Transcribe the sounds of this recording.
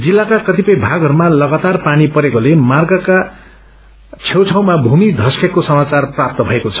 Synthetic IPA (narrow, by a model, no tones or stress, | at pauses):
d͡zilːakakʌt̪ipʌjbʱaɡɦʌɾumalʌɡat̪arpanipʌɾekolemarɡʌka | t͡sʰewt͡sʰaw̃mabʱumid̪ʱʌskekosʌmat͡sarprap̚t̪ʌbʱʌekot͡sʰʌ̥